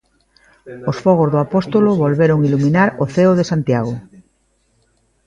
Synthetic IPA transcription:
osfoɣ̞ozðoapost̪oloβolβeɾoŋilumĩnaɾoθeoðesant̪jaɣ̞o

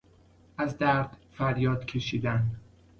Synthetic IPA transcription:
ʔæzd̪æɾd̪̥fæɾjɒːd̪̥cʲʰe̞ʃiːd̪æn

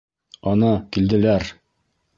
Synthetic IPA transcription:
ɒnɤkild̪ɘ̆læɾ

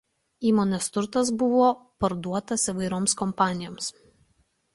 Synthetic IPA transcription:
iːmoːnʲɛst̪ʊɾt̪ɐs̬bʊʋoːpɐɾd̪uɔt̪ɐsiʋɐɪɾoːmskɔmpɑːnʲɪjoːms

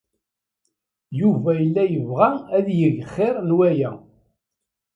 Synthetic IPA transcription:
juvæjəlːæjəvʁææðjəʝχːɪɾˤnwæjæ

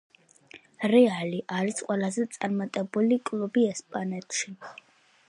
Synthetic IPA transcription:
ɾɛaliʔaɾisqʼwɛlˠazɛt̪sʼaɾmat̪ʼɛbulikʼlˠubiɛspʼanɛt̪ʼʃi

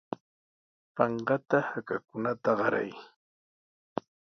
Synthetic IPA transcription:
pɑɴɢɑt̪ahakakʊnat̪aɢɑɾa̰j

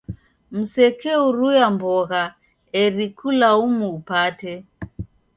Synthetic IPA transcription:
m̩sɛkɛuɾujambɔɣa | ɛɾikulaumuːpatɛ

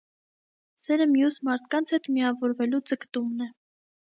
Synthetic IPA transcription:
sɛɾəmjusmɑɾt̪ʰkɑnt͡sʰhɛt̪miɑvɔɾvɛlud͡zəkt̪umnɛ

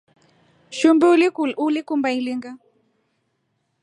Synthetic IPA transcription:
ʃumbɛululikumbailiŋɡa

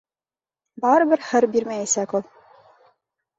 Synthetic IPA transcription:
bɑɾɤ̆bɘ̆ɾhɘ̆ɾbiɾmæjæsækolˠ

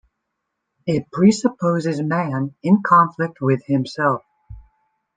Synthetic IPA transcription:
ɪt̚pʰɹ̥isəpʰoʊzɨzmæ̃nɪ̃nkʰɑ̃ɱflɪk̚t̚wɪð̥ɪ̃msɛlˠf

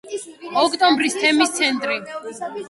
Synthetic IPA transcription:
ɔkʰt̪ʼɔmbɾist̪ʰɛmist̪sʰɛnt̪ʼɾi

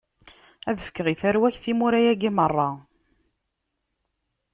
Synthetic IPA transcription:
æðəfə̥kːəʁiθæɾwæçθimuɾæjæɡimərˤːɑ

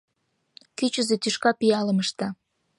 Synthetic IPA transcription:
kyt͡ɕəzet̪yʃkɑpijɑlə̆məʃt̪ɑ

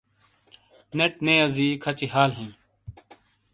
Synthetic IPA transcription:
neʈ̚neːɐziːkʰɐt͡ɕiɦaːlɦĩː

